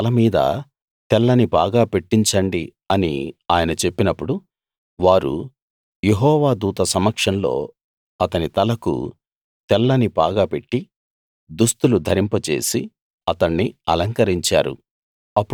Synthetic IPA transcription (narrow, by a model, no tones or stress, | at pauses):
ɐlɐmiːd̪ɐ̰ | t̪ɛlːɐniba̰ːɡaːpe̞ʈːiɲt͡ʃɐɳɖi | ɐniaːjɐnɐt͡ʃe̞pːinɐpːuɽu | ʋaːɾṵ | je̞ɦɔːʋaːd̪uːt̪ɐsɐmːɐkʂɐnlo̞̰ː | ɐt̪ɐnit̪ɐlɐkṵ | t̪ɛlːɐnibaːɡaːpe̞ʈːi | d̪ust̪ulud̪ʱɐɾimpɐt͡ʃe̞ːsi | ɐt̪ɐɳːiɐlɐŋkɐɾiɲt͡ʃa̰ːɾṵ | ɐpː